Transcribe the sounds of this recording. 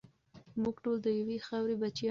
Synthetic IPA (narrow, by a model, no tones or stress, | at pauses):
muɡʈold̪əjawexawɾebat͡ʃjɑ